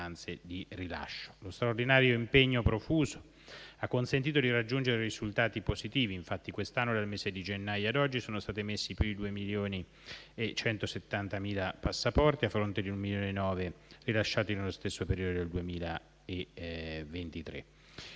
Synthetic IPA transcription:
ant̪sed̪irila̰ʃːo̥lost̪ɾaord̪inaːɾjoimpeɲːopɾofuːzo̥ | akːonsent̪̬iːt̪od̪irad͡ʒːund͡ʒeɾerizult̪aːt̪ipozit̪iːviːɱfat̪ːikwest̪anːod̪almeːzed̪id͡ʒenːajoad̪ɔd͡ʒːisoːnost̪aːt̪imesːipjuid̪uːemiljoːni | et͡ʃːɛnt̪oset̪ːant̪amiːlapasːapɔrt̪iafːɾont̪ed̪iummiljoːnenːɔːverilaʃːaːt̪inelost̪esːopeɾiːod̪od̪eld̪uemiːla | event̪it̪ɾḛ

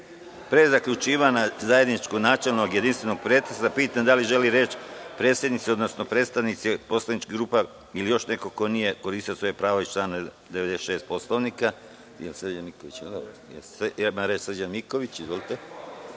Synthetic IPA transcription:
pɾezakʎut͡ʃiːʋanazaje̞d̪nit͡ʃkonaːt͡ʃelˠnoɡje̞d̪inst̪ʋe̞no̞ɡ̚pɾet̪ɾesapiːt̪amd̪aliʒe̞liɾe̞ːt͡ʃpɾe̞ːt̪sjed̪nit̪sio̞d̪no̞sno̞pɾet̪st̪aʋnit̪sipo̞slˠanit͡ʃkiɡɾuːpa | ilijo̞ʃne̞ko̞ko̞nije̞ko̞ɾiːst̪iosʋo̞jepɾaːʋoit͡ʃlaːna | d̪eʋed̪esʃeːst̪̚po̞sloʋnika | jelsr̩d͡ʒanmikoʋit͡ɕo | jesemamɾet͡ʃsr̩d͡ʒanmiko̞ʋit͡ɕizʋo̞lit̪e

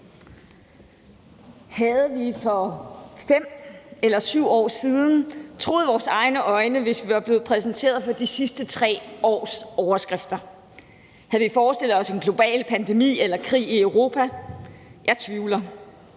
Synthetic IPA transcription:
hæðˠəʋifɒ̽fem̰elɐsyʊ̰ɒ̰ːsiðˠn̩t͡sʰʁo̝ːðˠʋɒːsɑ̈ɪnəʔɒ̽ɪnəʋe̝sʋiʋɑ̈b̥le̝ːð̩ˠpʰʁɛsnt͡sʰe̝̰ːɐð̞̩ˠfɒ̽d̥isisd̥ət͡sʰʁɛ̰ːɒ̰ːsɒʊɐsɡ̥ʁɛfd̥ɐ | hæð̩ˠʋifɒːsd̥e̝l̰ð̩ˠɒ̽se̝nɡ̥lo̝b̥ɛ̰ːlpʰænd̥e̝mḭːelɐkʰʁḭːiœʊʁo̝ːpʰæ | jɑ̈ɪt͡sʰʋiːʊlɐ

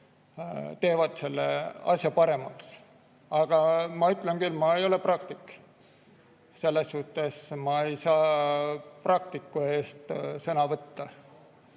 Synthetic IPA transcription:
t̪e̞ːvɑd̪̥se̞lːeɑ̰sʲjɑpɑɾe̞mɑks | ɑɡ̥ɑmɑyt̪ˑlenkylːmɑejo̞le̞prɑkt̪ikː | se̞lːesːuht̪ːˑe̞smɑe̞jsɑː | prɑk̚t̪ikːˑue̞ːst̪sɤnɑvɤt̪ːɑ

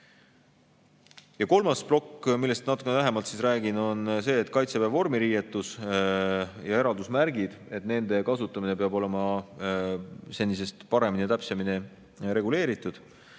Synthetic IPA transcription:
jɑko̞lmɑsplo̞kːmilːe̞st̪nɑt̪ukːˑenæɦemɑlt̪sisræːɡ̥ino̞nse̞ːt̪ːˑkɑjt̪sepævo̞rmiɾiːjet̪ːˑus | jɑe̞ɾɑld̪usmæɾɡid̪̥e̞t̪ˑne̞nd̪̥e̞kɑsut̪ːˑɑmine̞peɑbo̞le̞mɑ | se̞nʲːise̞st̪pɑɾe̞minit̪æpsemine | ɾe̞ɡule̞ːɾit̪ːˑud̪̥

